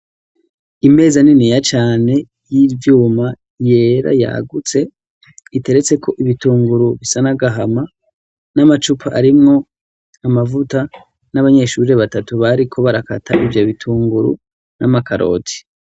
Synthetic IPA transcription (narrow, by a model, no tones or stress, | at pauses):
ime̞ːzaninijat͡ʃaːne̞ | jivjuːma | je̞ːɾa̰ja̰ɡut͡se̞ | ite̞ɾe̞t͡se̞kʰo̞ʔiβituːŋɡuɾuβisanaɡaɦama | namat͡ʃupʰaʔaɾimŋo̞ | amavuta | naβaɲe̞ʃuːɾeβatatuβaɾikʰo̞βaɾaka̰tʰaʔivjo̞βitʰuːŋɡuɾṵ | nʔamakaɾo̞̰tʰi̥